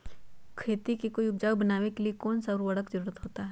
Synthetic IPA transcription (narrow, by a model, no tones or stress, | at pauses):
kʰeːt̪ikikoijʊp̚d͡ʒaːwbɐnaːʋekeliekɔːnsɐɾwɐɽəkzəɾuːɾət̪ɦoːt̪aɦɛ